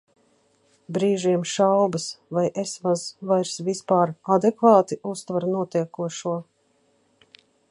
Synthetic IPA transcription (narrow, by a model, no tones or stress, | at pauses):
bɾiːʒiɛmʃawbɨsvajʔesvazvajɾsvispaːɾad̪ɛkvaːt̪iʔust̪vaɾnuɔt̪iɛkuɔʃuɔ